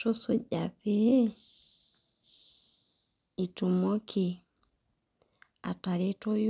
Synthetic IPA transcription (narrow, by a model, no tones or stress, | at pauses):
tɔsɔɟapɛ | itumɔkʰi | ataɾitɔj